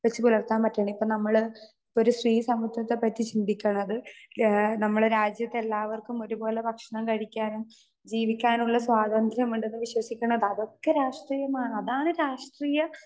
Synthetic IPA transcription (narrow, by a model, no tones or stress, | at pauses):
ʋɐt͡ɕːipulɐrt̪aːnpɐtːaːɳipːoːnɐmːɐɭ | o̞ɾusriːsɐmɐt̪ʰːjɐt̪ːepɐt̪ːit͡ɕind̪ikʲːɐɳɐðɨ | nɐmːɐɭɾaːd͡ʑjɐt̪ːee̞lːaːʋɐrkumo̞ɾubo̞ːle̞bʱɐkʂɐɳɐmkɐɽikʲːaːnum | d͡ʑiːʋikʲːaːnuɭːɐswaːd̪ɐnd̪ʱɐɾɐmuɳɖenːɨʋiɕwɐsikʲːuɳɐðɐðo̞kːeɾaːʂʈriːjɐmaːɳɨɐðaːɳɨɾaːʂʈriːjɐ